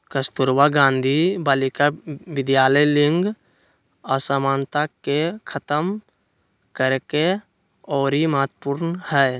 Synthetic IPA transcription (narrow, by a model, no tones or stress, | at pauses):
kəst̪uɾwaɡãːnd̪ʱibaːlikaʋɪd̪jaːləjlɪ̃ŋɡ | əsamaːnt̪akekʰət̪əm | kəɾke | ɔːɾimaːt̪pʊɾnhɛː